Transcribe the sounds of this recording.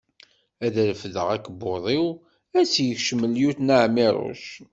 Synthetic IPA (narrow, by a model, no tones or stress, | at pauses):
æðəɾəfðəʁækːboðˤiw | æsjəçʃəməljuθnaʕmiɾˤo̰ʃ